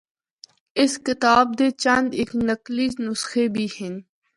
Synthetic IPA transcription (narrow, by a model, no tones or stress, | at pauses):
ɪskɪt̪aːb̚d̪eːt͡ʃɐ̃nd̪ɪknɐkliːznʊsxebʱihɪn